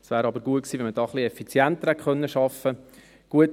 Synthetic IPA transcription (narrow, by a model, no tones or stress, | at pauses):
svʋæːɾɑbəɾɡuəksiːʋɛnmədɑːχliɛfit͡sjæntəɾhɛtχœnːəʃɑfə | ɡ̥uət